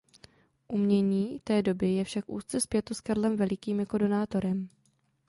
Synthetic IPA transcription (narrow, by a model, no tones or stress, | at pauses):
ʔumɲɛɲiːt̪ɛːdo̞bɪjɛfʃakʔṵːst̪t͡sɛspjɛt̪uskaɾlɛmvɛlɪkiːmjako̞do̞naːt̪o̞ɾɛm